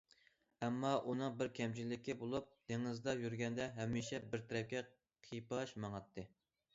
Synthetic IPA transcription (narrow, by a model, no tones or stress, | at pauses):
ɛmːɑʔunɨŋbɪɾkʲʰɛmt͡ʃʰilːɪkʲibolˠup̚d̪̥eŋɨzd̪ɑjyɾɡʲɛnd̪ɛɦɛmːiʃɛbɪɾt̪ʰɛɾɛp̚kʲɛ | qʰipɑʃmɑŋɑt̪ʰːɨ